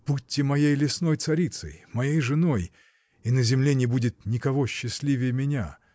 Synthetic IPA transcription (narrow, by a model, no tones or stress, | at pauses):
putʲːɪmɐjejlʲɪsno̞jt̪sɐɾʲit̪sə̰jmɐjejʐɨno̞j | inəzʲɪmlʲenʲɪbudʲɪt̪nʲɪkɐvo̞ɕːɪsʲlʲivʲɪjəmʲɪnʲa